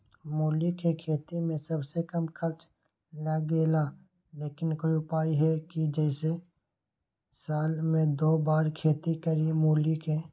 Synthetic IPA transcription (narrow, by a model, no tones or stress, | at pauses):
muːlikekʰeːt̪imẽsɐbsekɐmkʰɐɾt͡ʃ | ləɡeːla | leːkɪnkoːiʊpaːiɦɛkid͡ʒɛːse | saːlmẽd̪oːbaːɾkʰeːt̪ikəɾiemuːlikeː